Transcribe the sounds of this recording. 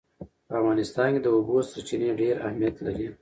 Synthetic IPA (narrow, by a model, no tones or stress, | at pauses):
pəafɣɑnɪst̪ɑnked̪əubosat͡ʃineɖeɾa̰hmijat̪laɾi